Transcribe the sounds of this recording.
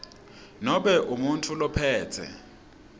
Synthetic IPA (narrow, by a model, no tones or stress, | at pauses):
nɔɓɛʔumuntʰulɔpʰɛːtʰɛ̰